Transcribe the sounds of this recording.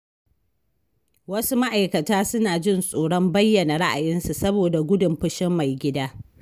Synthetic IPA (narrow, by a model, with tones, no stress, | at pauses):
wɐ˦su˦ma˦ʔa˨jkɐ˨taː˦sʊ˦naː˨d͡ʒɪ˦nsʼoː˨ɽɔ˦mbɐ˦jːɐ˨na˨ɽa˦ʔa˨jɪ˦nsu˨sɐ˦boː˨da˨ɡʷʊ˦dʊ˨mɸʊ˦ʃɪ˦mːa˨jɡʲɪ˦daː˦